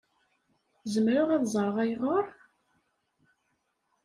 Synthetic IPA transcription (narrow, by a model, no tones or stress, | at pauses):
zəmɾʊʁiðzˤɾˤəʁæjʁoɾˤ